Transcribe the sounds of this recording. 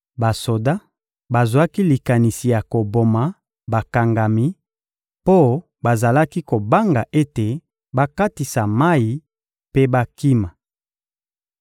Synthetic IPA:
ba˨so˨da˦ | ba˨zwa˦ki˦li˨ka˨ni˨si˨ja˨ko˨bo˨ma˨ | ba˨ka˨ŋɡa˨mi˦ | po˦ | ba˨za˨la˦ki˦ko˨ba˦ŋɡa˨ʔe˦te˨ | ba˦ka˦ti˨sa˨ma˦i˨ | pe˦ba˦ki˦ma˨

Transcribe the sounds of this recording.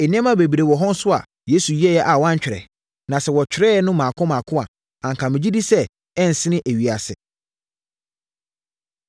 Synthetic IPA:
e˨nɪ̃˦ɛ̃˦mã˦be˨bi˨ɾe˨wɔ˨ɦɔ̃˦n̩˦sʊ˦a̰˨ | je˨˦su˨ji˦ɛ˦jɛ˦ʔa˨wɔ˦ã˦ɲ˦t͡ɕᶣɪ˨ɾɛ̰˨ | nã˨sɛ˨wɔ˨t͡ɕᶣɪ˨ɾɛ˦nʊ̃˦mãː˨kʰʊ̃˦mãː˨kʰʊ̃˦a˨ | ã˨ŋ˨kʰã˨mɪ̃˨d͡ʑi˦di˦sɛ˦ | ɛ˦n̩˨sɪ̃˦nɪ̃˦ʔe˨ɥi˨a˨sɪ˨

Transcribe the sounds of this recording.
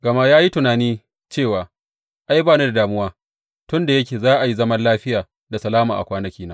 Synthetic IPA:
ɡɐ˨ma˦jaː˦ji˦tʊ˨naː˨niː˦ | t͡ʃeː˦˨waː˨ | ʔa˦jbaː˦ne˦da˨daː˨mʊ˦waː˦ | tʊ˦nda˨jɐ˦kʲeː˨zaː˦ʔa˨ji˦zɐ˦mɐ˦nlaː˦ɸɪ˦jaː˨ | da˨sɐ˨laː˦maː˨ʔa̰˨kʷaː˦nɐ˦kʲiː˦naː˦

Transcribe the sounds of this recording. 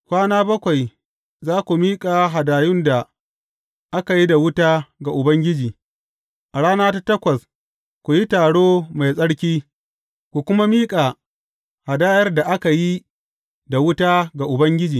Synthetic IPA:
kʷaː˦naː˦bɐ˦kʷa˨j | zaː˦kʷu˨miː˦kʼaː˨ɦa˨daː˨jʊ˦nda˨ | ʔa˦ka˨ji˦da˨wʊ˦taː˦ɡa˨ʔʊ˨bɐ˦ŋɡʲɪ˦d͡ʒiː˨ | ʔa˨ɽaː˦naː˦ta˦tɐ˦kʷɐ˨s | kʷu˨ji˦taː˨ɽoː˦ma˨jsʼɐ˦ɽkʲiː˦ | kʷu˨kʷʊ˦ma˦miː˦kʼa˨ | ha˨daː˦jɐ˦rda˨ʔa˦ka˨ji˦ | da˨wʊ˦taː˦ɡa˨ʔʊ˨bɐ˦ŋɡʲɪ˦d͡ʒiː˨

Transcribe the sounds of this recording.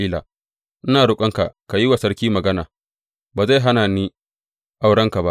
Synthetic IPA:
iː˦la̰ː˨ | ʔɪ˦naː˨ɽʊ˦kʷʼɐ˦ŋka˨ka˨ji˦wa˨sɐ˦ɽkʲiː˦mɐ˨ɡɐ˦na̰ː˨ | baː˨za˦˨jɦa˦naː˨niː˦ | ʔa˦˨wɽɐ˦ŋka˨ba˦ʔ

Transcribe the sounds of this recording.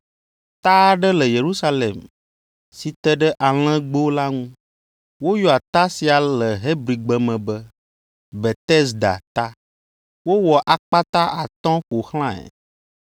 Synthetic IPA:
t̪a˦ɖə˦lə˨je˨ɾu˦sa˦le˨m | si˨t̪ɛ˦ɖɛ˦ʔa˨l̃ɛ̃˦ɡ͡bo˦la˦ŋũ˦ | wo˦jɔ˨a˨t̪a˦si˨a˨lə˨ɦe˦bɾi˨ɡ͡bə˨mɛ̃˨bə˦ | bɛ˨t̪ɛ˦sd̪a̰˨t̪a˦ | wo˦wɔ˨ʔa˨k͡pa˦t̪a˦ʔa˨t̪ɔ̃˦ɸo˨xl̃ã˦ɛ̰˨

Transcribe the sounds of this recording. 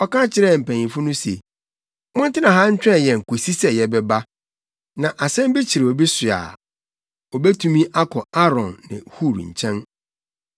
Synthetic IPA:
ɔ˦kã˦t͡ɕʰɪ˨ɾɛ˦˨m̩˨pʰæ̃˨ɲ˨ĩ˨fʊ˦nʊ̃˦se˨ | mʊ̃˦n̩˦tɪ̃˦nã˨ɦa˦ɲ̩˦t͡ɕᶣɛ̃˦˨jɛ˨ŋ̩˨kʰo˨si˦sɛ˨jɛ˨bɛ˦ba˦ | nã˨ʔa˨sɛ̃˦m˦bi˦t͡ɕʰi˨ɾe˨ɔ˨bi˦sʊ˨a̰˨ | ɔ˨bɛ˦tʰũ˦mĩ˦ʔa˦kʰɔ˨a˦ɾɔ̃˨nːɪ̰̃˨hu˦˨ɾɲ̩̰˨t͡ɕʰɛ̃˦n

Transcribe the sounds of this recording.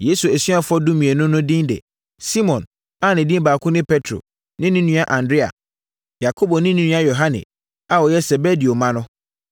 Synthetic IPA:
je˦su˨æ˨sɥa˦fʊ˦ɔ˦du˦mĩ˨e˨nʊ̃˦nʊ̃˦dĩ˦ndɛ̰˨ | si˦mɔ̃˨n | a˦˨nɪ̃˨dĩ˦mbaː˨kʰʊ̃˦nɪ̃˦pʰɛ˦tʰɾo̰˨ | nɪ̃˦nĩ˦nũ˦a˦ʔã˨ndɾɪ˦a̰˨ | ja˨kʰo˦bɔ˨nɪ̃˦nĩ˦nũ˦a˦jo˨ɦã˦nɪ̰̃˨ | a˨wɔ˨jɛ˦sɛ˨bɛ˦di˨o˨mã˦nʊ̃˦

